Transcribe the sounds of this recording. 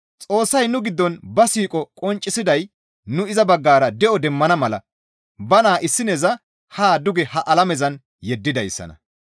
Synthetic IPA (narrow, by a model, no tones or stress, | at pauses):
t͡sʼo̞ːsːɐjnʊɡɪd̪ːɔnbɐsiːkʼɔkʼɔnt͡ʃʼːɪsɪd̪ɐj | nʊɪzɐbɐɡːaːɾɐd̪ɛʔɔd̪ɛmːɐnɐmɐlɐ̰ | bɐnaːʔɪsːɪnɛzɐ | haːd̪ʊɡɛhɐʔɐlɐmɛzɐn | jɛd̪ːɪd̪ɐjsːɐ̰nɐ̰